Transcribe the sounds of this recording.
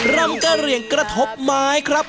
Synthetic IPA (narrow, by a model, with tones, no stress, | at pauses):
ɾa˧ŋka˧˩ɾi˨˩ənkɾa˧t̪ʰo˦˥p̚maː˦˥jkʰɾa˦˥p̚